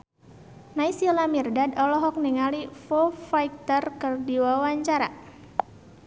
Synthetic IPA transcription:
naisilamirdadɔlɔɦɔk̚niŋalifɔfajk̚t̪ərkɨrdiwawaɲt͡ʃaɾa̰

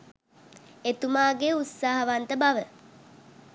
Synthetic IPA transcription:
et̪umaːɡeut̪saːɦɐʋant̪əbaʋə

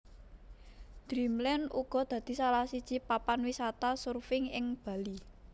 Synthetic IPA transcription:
d̪̥ɾimlɛnʔuɡ̥ɔ̤d̪̥ä̤d̪̥i̤salahsid̥ʒ̥i̤papanwisat̪asurfɪŋɪŋb̥a̤li

